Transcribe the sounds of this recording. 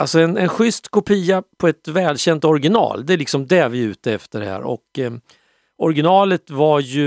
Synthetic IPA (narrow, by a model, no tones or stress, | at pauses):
alsɔɛnɛnɧʏst̪kʰʊpʰiːapʰɔɛt̪vɛːlɕɛnt̪ɔɾɡɪnɑ̰ːld̪ɛlɪksɔmd̪ɛvɪʉ̟ːt̪əɛft̪əɖɛhæ̰ːɾɔ̰k | ɔɾɡɪnɑːlət̪vajɵ